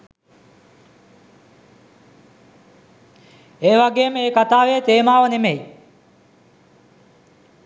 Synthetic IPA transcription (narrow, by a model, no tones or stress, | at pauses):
eːʋaɡeːməeːkat̪aːʋeːt̪eːmaːʋənemej